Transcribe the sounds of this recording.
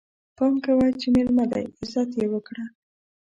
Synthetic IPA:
pɑmkawajt͡ʃemelmad̪a̰jɪzat̪jewəkɽa

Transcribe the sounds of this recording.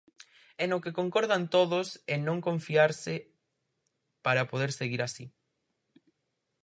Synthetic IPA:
enokekoŋkɔɾðant̪oðʊsenõŋkõɱfiaɾsɪ | paɾapoðeɾseɣiɾasi

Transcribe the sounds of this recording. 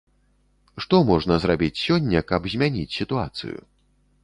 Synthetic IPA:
ʂt̪ɔmɔʐnɐzɾabʲit͡sʲsʲɔnʲːɐkɐbzʲmʲanʲit͡sʲsʲit̪ua̰t̪sɨ̰jṵ

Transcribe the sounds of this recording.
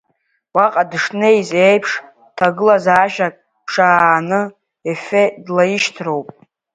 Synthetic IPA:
waqʼadʂnejzejpʰʂ | tʰaɡɨlazaːʃᶣakʼ | pʰʂaːnɨ | efedlajiʃtʰro̞wpʼ

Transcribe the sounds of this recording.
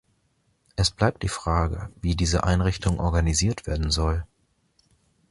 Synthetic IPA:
ʔɛsb̥laɪp̚t̚d̥iːfʁ̥aːɡə̰viːdiːzəʔa̰ɪnʁɪçtʰʊŋʔɔɐɡaniziːɐtv̥eːɐdn̩zɔl

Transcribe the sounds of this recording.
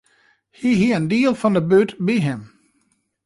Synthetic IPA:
hiɦiəndiəlˠfɔndəbøtbiɦɪm

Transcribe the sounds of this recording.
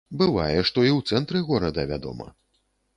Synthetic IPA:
bɨvajɛʂt̪ɔiwt̪sɛnt̪ɾɨɣɔɾɐd̪ɐvʲad̪ɔ̰mɐ̰

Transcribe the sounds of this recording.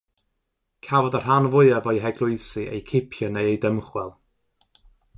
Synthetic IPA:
kʰavɔdar̥anvʊɨavɔjɦɛɡlˠʊɨsiʔḛjkʰɪpʰjɔnejejdəmχwɛlˠ

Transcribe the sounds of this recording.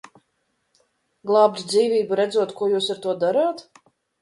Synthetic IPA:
ɡlˠaːb̚d̪d̪ziːvʲiːbuɾɛd̪zuɔt̪kuɔjuːsaɾt̪uɔd̪aɾaːt̪

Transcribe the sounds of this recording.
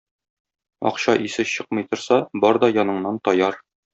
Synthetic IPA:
ɒ̰qɕɑʔisɘɕɤq̚mɤ̆jt̪ŏɾsɑbɒɾd̪ɒjɒnɤ̆ɴnɑnt̪ɒjɑɾ

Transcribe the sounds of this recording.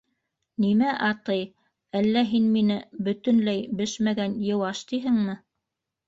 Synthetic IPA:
nimæʔɑt̪ɤj | ælːæɦinminɘbɵ̆t̪ɵ̆nlæjbɘʃmæɡænjɤ̆wɑʃt̪iɦɘŋmɘ

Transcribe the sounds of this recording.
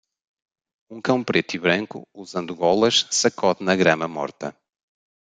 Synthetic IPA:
ũkɐ̃w̃pɾet̪iβɾɐ̃ŋkṵuzɐ̃nd̪uɣɔlˠɐʃsɐkɔt̪nɐɣɾɐmɐmɔ̰ɾt̪ɐ

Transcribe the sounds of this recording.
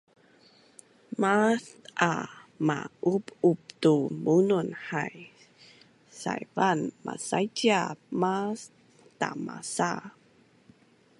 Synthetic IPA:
mastʔamaʔupup̚tumununħaj | sa̰jvanma̰sajtiamas | tamasa

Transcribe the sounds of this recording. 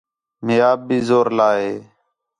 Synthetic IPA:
mɪjaːb̚ːiːzoːɾlaːɦeː

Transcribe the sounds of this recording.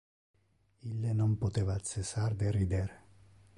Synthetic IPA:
ilːenompot̪eːvaːt̪sesaɾd̪erid̪eɾe

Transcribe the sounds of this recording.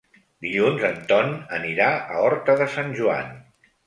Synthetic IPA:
d̪iʎunzənt̪ɔnəniɾaə̰ɔɾt̪əðəsanʲʒua̰n

